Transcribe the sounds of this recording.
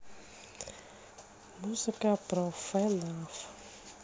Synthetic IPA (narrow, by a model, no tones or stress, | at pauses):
musakəbrafɛlafə̥